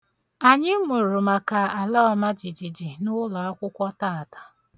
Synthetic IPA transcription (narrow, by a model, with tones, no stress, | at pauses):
a˨ɲɪ˦mʊ˨ɾʊ˨ma˨ka˨a˨lɔ˦ɔ˨ma˦d͡ʒi˨d͡ʒi˨d͡ʒi˨nʊ˦la˨a˦kʷʊ˦kʷɔ˦taː˦˨a˨tḁ˨